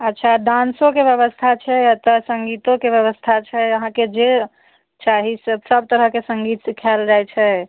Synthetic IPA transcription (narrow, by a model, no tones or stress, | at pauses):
ətːʃʰaɖãnsõkebjəβəst̪ʰat͡ʃʰɛjat̪əsəŋɡit̪õkebjəβəst̪ʰat͡ʃʰɛəɦãked͡ʒe | t͡ʃaɦisəbsəb̚t̪əɾəɦkesəŋɡit̪sikʰald͡ʒajt͡ʃʰɛ